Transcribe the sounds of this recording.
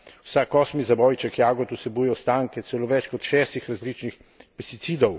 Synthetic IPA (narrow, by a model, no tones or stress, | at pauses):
wsakːɔsmizabɔjt͡ʃɛkjaːɡɔt̪usɛbuːjɛwst̪aːŋkɛt̪sɛloːʋɛt͡ʃkɔt̪ʃɛːst̪ixɾazlit͡ʃnix | pɛst̪it̪siːd̪ɔw